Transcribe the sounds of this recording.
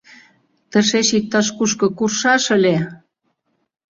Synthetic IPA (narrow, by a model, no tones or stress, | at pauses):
t̪ə̆ʃeʃik̚t̪ɑʃkuʃkɤ̆kurʃɑʃə̆le